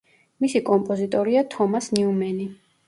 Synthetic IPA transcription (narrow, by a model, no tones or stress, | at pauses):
misikʼɔmpʼɔzit̪ʼɔɾiat̪ʰɔmasniumɛni